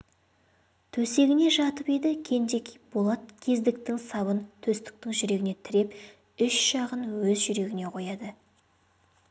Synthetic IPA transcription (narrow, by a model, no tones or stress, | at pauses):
t̪ʰɵse̞ɡʲɪne̞ʒɑt̪əped̪ɪkʲʰe̞nd̪e̞kʲbolˠɑt̪̚kʲʰe̞zd̪ɪk̚t̪ɪŋsɑβənt̪ʰɵst̪ɪ̥k̚t̪ɪŋʒʏɾe̞ɡʲɪnet̪ʰɪɾe̞p | ʏʃʒ̥ɑʁənwɵzʒʏɾe̞ɡʲɪne̞qʰo̞jɑd̪ə